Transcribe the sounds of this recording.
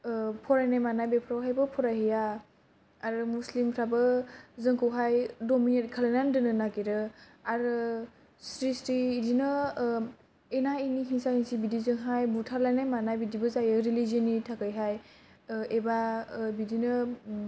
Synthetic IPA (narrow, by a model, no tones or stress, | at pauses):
pʰɔɾajnajmanajbepʰɾawɦajbɯpʰɔɾajɦija | aɾmuslimpʰɾabɯzɯŋkʰɯwɦajdominetkʰalajnandɯnɯnakiɾɯ | aɾ | sɾisɾiːdinɯ | enainiɦiŋsaiŋsibidizɯŋɦajbutʰaɾlajnajmanajbidibɯzajɯɾiliziɔnitʰakɯjɦaj | ebabidinɯ